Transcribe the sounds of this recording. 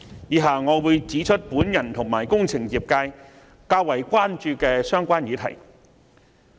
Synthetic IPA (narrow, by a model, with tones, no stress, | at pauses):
jiː˨˧ɦaː˨˩ŋɔː˨˧wuː˨˧jt͡siː˨˥t͡ʃʰɵ˥t̚puː˨˥njɐ˨˩nt̪ʰʊ˨˩ŋmaː˨˩jkʊ˥ŋt͡sʰɪ˨˩ŋjiː˨˩p̚kaː˧j | kaː˧k̚wɐ˨˩jkʷaː˥nt͡ʃyː˧kɛː˧sœː˥ŋkʷaː˥njiː˨˥t̪ʰɐ̰˨˩j